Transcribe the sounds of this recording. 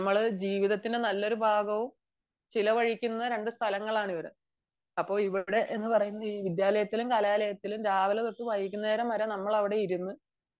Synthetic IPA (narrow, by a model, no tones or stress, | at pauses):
nmːɐɭd͡ʑiːʋiðɐt̪ːinde̞nɐlːo̞ɾubʱaːɡɐʋum | t͡ɕilɐʋɐɻikʲːunːɐɾe̞ɳɖɨst̪ʰɐlɐŋːɐɭaːɳiʋɐɾɨ̰ | ɐpːo̞ːɭiʋiɽe̞ʔe̞nːɨpɐrɐjunːɐiːʋid̪jaːlɐjɐt̪ːilumkɐlaːlɐjɐt̪ːilumɾaːʋɐlɐt̪oʈːɨʋɐjikʲːunːɐeːɾɐmːɐɾɐnɐmːɐɭɐʋiɽe̞iɾunːu